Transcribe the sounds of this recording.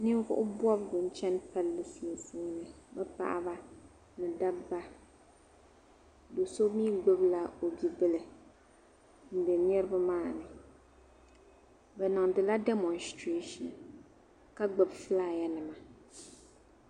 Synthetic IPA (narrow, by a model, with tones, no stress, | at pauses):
nɨ˦vʊ̰˦ʔʊ˦bwɔ˦bɡʊ˨n˦t͡ʃɛ˦npa˦lːɨ˨su˨su˦nɨ˨bɛ˦pa̰˨ʔa̰˦ba˦ | nɨ˨da˦bba˦ | do˨so˦miː˦ɡ͡bʊ˦bla˦o˨bi˨bɨ˦lɨ˨ | n̩˦dɛ˨nɛ˦ɾɨ˦ba˦maː˦˨nɨ˨ | bɛ˨nɨ˨ŋdɨ˨la˦dɛ˦mɔ˨nstɾe˦ʃɔ̰˨n | ka˦ɡ͡bʊ˨bfɨ˦laː˦˨ja˦nɨ˨ma˨